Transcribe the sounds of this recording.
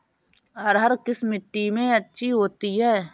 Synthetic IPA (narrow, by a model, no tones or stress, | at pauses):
ɔːɾɦəɾkɪsmɪʈːimẽətːʃʰiɦoːt̪iɦɛː